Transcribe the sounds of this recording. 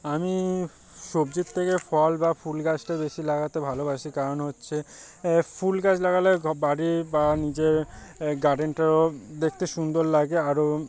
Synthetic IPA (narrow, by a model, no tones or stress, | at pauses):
ami | ʃobd͡ʑit̪t̪ʰːekefɔlbafulɡat͡ɕʈabeʃilaɡat̪ebʱalobaʃikaɾonɦotːɕʰe | fulɡat͡ɕlaɡalebaɾibanid͡ʑeɾɡaɖeɳʈaod̪ekʰt̪eʃund̪oɾlaɡeaɾo